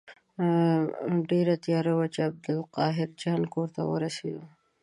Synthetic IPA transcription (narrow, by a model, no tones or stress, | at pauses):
ɖeɾat̪jɑɾawat͡ʃɪab̚d̪ʊlqɑɦɪɾd͡ʒɑnkoɾt̪a̰wə̰ɾased̪u